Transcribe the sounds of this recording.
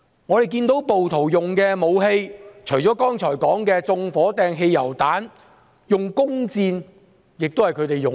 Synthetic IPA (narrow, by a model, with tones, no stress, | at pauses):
ŋɔ˨˧t̪e˨jk̬iː˧nt̪o˨˥wpo˨wt̪ʰo˨˩wjʊ˨ŋkɛː˧mo˨˧wɦe˧jt͡ʃʰɵ˨˩jt͡sɔː˨˥kɔː˥ŋt͡ʃʰɔː˨˩jkɔː˨˥ŋkɛː˧t͡sʊ˧ŋfɔː˨˥t̪ɛː˧ŋɦe˧jjɐ˨˩wt̪aː˨˥n | jʊ˨ŋkʊ˥ŋt͡siː˧n | jɪ˨k̚t̪o˥hjkʰɵ˨˧˥t̪e˨jʊ˨